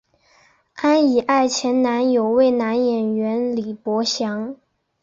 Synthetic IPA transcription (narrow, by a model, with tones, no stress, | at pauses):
a˥ni˨˩ʔa˥˩ɪt͡ɕʰjɛ˧˥nna˧˥njo˨˩ʊwe˥˩ɪna˧˥njɛ˨˩nɥɛ˧˥nli˨˩pwɔ˧˥ɕjɑ˧˥ŋ